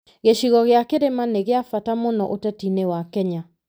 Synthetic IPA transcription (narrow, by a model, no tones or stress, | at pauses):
ɣeʃiɣɔɣeakeɾemaneɣeafatamonɔʔotɛtinewakɛɲa